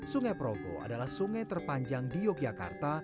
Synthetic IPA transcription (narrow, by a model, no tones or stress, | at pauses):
suŋapɾot̪o̰ʔa̰dalahsuŋat̪ərpaɲd͡ʒaŋdijoɡjaka̰rt̪a